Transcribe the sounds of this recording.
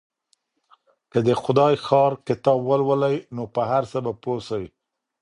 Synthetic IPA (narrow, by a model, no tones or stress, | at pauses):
kəd̪əxʊd̪ɑjxɑɾkɪt̪ɑbwəlwəlajnopəɦaɾsəbaposawi